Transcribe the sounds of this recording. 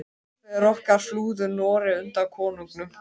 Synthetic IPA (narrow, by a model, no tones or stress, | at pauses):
ɛɾɔhkaɾ̥fluːðʏɾnɔːɾɪʏnt̪akʰɔːnuŋknʏm